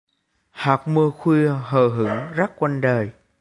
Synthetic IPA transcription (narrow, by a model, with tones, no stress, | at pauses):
haː˨˩k͡p̚mɨ˧əxwi˧ɦəː˧˨˩ɦɨ˧˦ŋza˦˥k̚kwa˧nɗəː˨˩j